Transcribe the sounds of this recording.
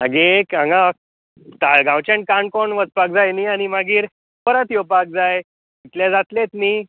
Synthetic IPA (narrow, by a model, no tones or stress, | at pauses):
maɡekãŋɡã | t̪aɭɡãwt͡ɕẽɳʈ̚kaɳ̚koɳʋət͡spak̚d͡zajniañimaɡiːɾ | pəɾat̪jopak̚d͡zaj | it̪led͡zat̪let̪ni